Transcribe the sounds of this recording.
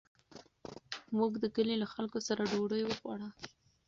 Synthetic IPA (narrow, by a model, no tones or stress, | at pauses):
mukd̪əkəlelaxalkosaɾaɖoɽəjwəɣwɑɽa